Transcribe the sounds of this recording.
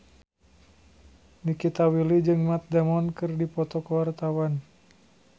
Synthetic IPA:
nikit̪awilid͡ʒɨŋmat̪̚dɛmɔnkɨrdipɔt̪ɔkəwart̪awan

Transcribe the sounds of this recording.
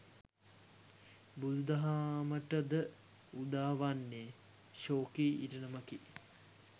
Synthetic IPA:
bud̪ud̪ɐɦaməʈəd̪ə | ud̪aːʋanːe | ʃoːkiʔiʈənəməki

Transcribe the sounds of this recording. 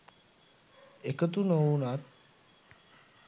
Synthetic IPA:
ekət̪unounat̪̚

